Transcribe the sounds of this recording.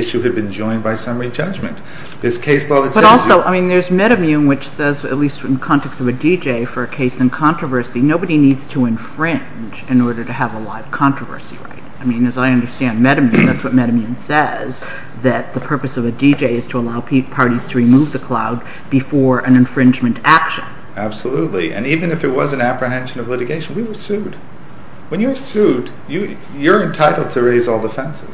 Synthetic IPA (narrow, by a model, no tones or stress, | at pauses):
ɪʃʉɨd̚bɨ̃nd͡ʒɔ̃ɪ̃nbaɪsʌ̃mɹid͡ʒʌd͡ʒmɨ̰̃n | ðɪskʰeɪslɔɨbʌɾɔlˠsoʊʔaɪmĩnðə˞zmɛɾɨmiɨ̃nwɨt͡ʃsɛzɨ̰tˡlistɨ̃n̩ðəkʰɑ̃ntʰɛkstʌvɨdid͡ʒeɪfə˞ɨkʰeɪsɨ̃nkʰɑ̃nt͡ʃɹ̥əvɜ˞sɨɾinoʊbɨɾinidz̥tʰəɨ̃ɱfɹɪ̃n | d͡ʒɨ̃nɔɹɾə˞ɾɨəvəlaɪv̥kʰɑ̃nt͡ʃɹ̥əvɜ̰˞sḭɹa̰ɪt̚aɪmĩnɨzaɪʌ̃ndə˞stæ̃nmɛɾɨmjiɨ̃ðætswʌt̚mɛɾɨmiɨ̃nsɛz | ðɨt̪̚ðɨpʰɜ˞pɨsʌvɨdid͡ʒeɪɨz̥tʰəəlaʊpʰpʰɑɹɾiz̥tʰɨɹimuvðɨkʰl̥a̰ʊd̚ | bɨfɔɹʔɨ̃nɨ̃ɱfɹɪ̃nd͡ʒmɨ̃ntækʃɨ̰̃n | æb̥səlutˡlḭʔɨ̰̃nivɨ̃nɨfɨt̚wʌzɨ̃n̩æpɹɨɦɛ̃nʃɨ̃nʌvlɪɾɨɡeɪʃn̩wiwə˞sʉd̥ | wɨ̃njə˞sud | jɨ | jə˞ɨ̃ntʰaɪɾl̩ˠd̚tʰɨɹeɪzɔlˠdəfɛ̃nsɨz̥